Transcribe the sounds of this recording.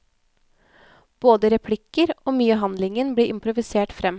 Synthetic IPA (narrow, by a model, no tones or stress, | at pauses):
b̥oːd̪əɾɛpʰlɪkəɾoːmyːəɦɑnd̪lɪŋənbliːʔɪmpɾʊʋɪseːʈfɾɛm